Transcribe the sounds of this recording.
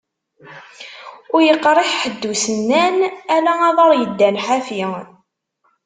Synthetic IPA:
ʊɾjəqːɾˤɪħħəd̪ːusənːænælæɑðˤɑɾˤjəd̪ːænħafi

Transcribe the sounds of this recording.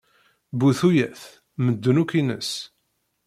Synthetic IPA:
buθujæθ | məd̪ːənukinə̰s

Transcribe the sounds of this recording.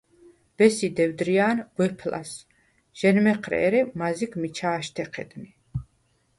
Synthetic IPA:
b̥ɛsid̪ɛwd̪ɾiaːnɡ̥wɛpʰla̰s | ʒ̥ɛnmɛqʰɾɛ̰ːɾɛmaziɡmit͡ʃʰaːʃt̪ʰɛqʰɛ̰d̪ni

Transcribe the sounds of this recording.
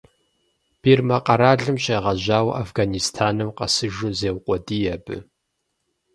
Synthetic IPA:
b̥irmɐqɐɾaːɮɨmɕeːʁɐʑaːwʔa̰fɡanistʰaːnɨmqɐsɨʒʊzeːwqʷʼɔdiːjɛbɨ̰

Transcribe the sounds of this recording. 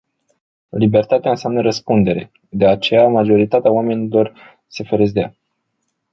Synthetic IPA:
libe̞rt̪at̪eaɨnseamnəɾəspund̪e̞ɾe̞̰ | d̪e̞at͡ʃe̞jamaʒo̞ɾit̪at̪eaowame̞nilo̞r | se̞feɾezd̪ea̰

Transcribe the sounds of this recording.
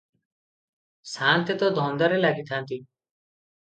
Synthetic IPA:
saːnt̪jet̪ɔd̪ʱɔnd̪ɔɾelaɡit̪ʰant̪i

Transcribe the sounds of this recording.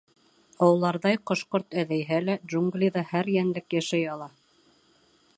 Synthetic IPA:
ɑwɤ̆lˠɑɾðɑjqŏʃqoɾt̪æðæjɦælædʒuŋɡlʲiðɑhæɾjænlɘkjæʃæjɑlˠɑ

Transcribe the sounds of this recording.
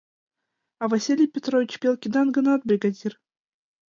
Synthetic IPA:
ɑvasʲilʲɪjpʲet̪ɾovʲɪt͡ɕpʲelˠkʲid̪ɑnɡɤ̆nɑt̪̚bɾʲiɡad̪ʲir

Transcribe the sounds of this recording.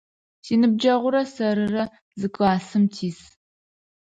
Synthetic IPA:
siːnɨb̚d͡ʒɐʁʷʊɾɐsɐɾɨrɐ | zɨkʷʼaːsɨmtʰiːs

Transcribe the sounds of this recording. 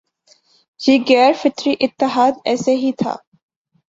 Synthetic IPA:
jeːɣɛːɾfɪt̪ɾiʔɪt̪ːɪɦaːd̪ɛːseɦit̪ʰa̰ː

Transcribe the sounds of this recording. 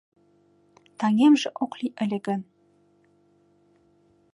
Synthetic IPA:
t̪ʰɑŋemʒɘ̆ʔoqlʲiʔɘ̆lʲɘ̆ɡɘ̆n

